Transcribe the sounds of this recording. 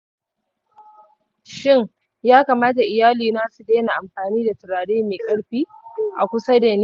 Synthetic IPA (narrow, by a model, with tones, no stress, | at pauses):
ʃɪ˦˨ŋ | jaː˦ka˨maː˦ta˨ʔɪ˨jaː˦liː˨naː˦su˨deː˦na˨ʔa˨mɸaː˨niː˦da˨tɪ˨ɽaː˨deː˦meː˨kʼɐ˦ɽɸiː˦ʔa˨kʷʊ˦sa˦de˨nː˦